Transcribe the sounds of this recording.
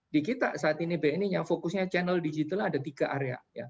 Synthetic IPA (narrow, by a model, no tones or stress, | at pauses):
dikit̪a̰saːt̪inibenijaŋfokʊsɲat͡ʃɛnəldid͡ʒit̪aladat̪iɡaʔaɾea̰ja̰